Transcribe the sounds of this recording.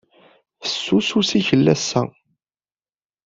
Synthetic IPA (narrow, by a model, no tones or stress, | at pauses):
θə̥sːususiçəlːæsːæ̰